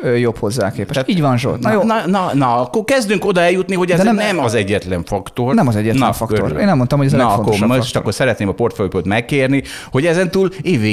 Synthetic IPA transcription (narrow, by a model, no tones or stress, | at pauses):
øjophozːa̰ːkeːpɛʃiːɟvɒnʒo̰njonnɒnɒɒkːokɛzd̪yŋko̞d̪ɒɛljut̪niɦo̞ɟɛzɛnɛmɒzɛɟːɛt̪lɛɱfɒkt̪o̞rnɛmɒzɛɟːɛtn̰fɒkøoɾeːnɛmːont̪ɒmhoɛzlnɛɒok̪ːomø̥ʃt̪ɒkːo̞rsɛɾɛt̪neːmɒpo̞rt̪føjpøːt̪mɛkːeːrniho̞ɟɛzɛnt̪uːleːveː